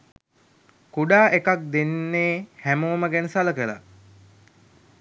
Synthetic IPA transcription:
kuɖaːʔekak̚d̪enːeːhæmoːməɡɛnəsaləkəla̰

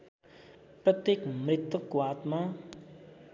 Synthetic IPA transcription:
pɾət̪jekmɪt̪əkuaːt̪mã

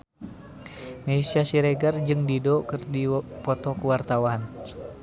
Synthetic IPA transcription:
mɛisiasiɾɛɡard͡ʒɨŋdidɔkɨrdipɔt̪ɔkuwart̪awan

